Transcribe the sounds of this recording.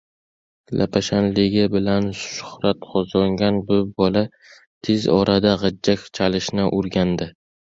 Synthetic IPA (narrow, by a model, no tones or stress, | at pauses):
lʔa̰pʰaʃanlɪɡʲɪbɪlanʃʃʊ̥hɾat̪qʰɒzlaŋɡʲanbʊbɒla | t̪ʰɪzɒɾad̪aʁɨd͡ʒːakʲt͡ʃʰalɪʃnɪʔʊɾɡʲand̪ɪ